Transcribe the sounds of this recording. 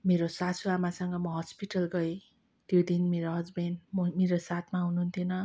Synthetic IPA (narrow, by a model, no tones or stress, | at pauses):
meɾosasʰuamasʌŋɡʌmʌɦʌspiʈʌlɡʌi | t̪jod̪inmeɾoɦʌd͡zbʌnmʌmeɾosat̪ʰmaɦunuɦunt̪ʰinʌ